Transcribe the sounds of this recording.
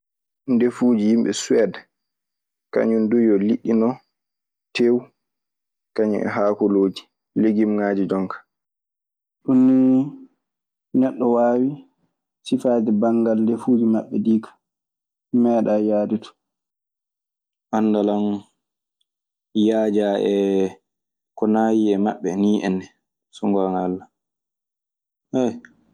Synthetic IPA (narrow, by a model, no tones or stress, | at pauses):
ndefuːd͡ʒijimɓɛswɛd | ka̰ɲundujɔliɗːinɔ | tʰew | kaɲɛ̰ʔɛ̰ɦaːkɔloːd͡ʒi̥ | leɡimŋaːd͡ʒid͡ʒɔŋkḁ | ɗunːi | nɛɗːɔwaːwi | sifaːdɛbaŋɡaldɛfuːd͡ʒimaɓːɛdiːkʰḁ | mɛːɗajaːditʰɔ̥ | ʔanːdalan | jaːd͡ʒaːʔɛ | kɔnaːjiɛmaɓːɛniːʔɛ̰ndɛ | sɔŋɡaŋalːa | hɛj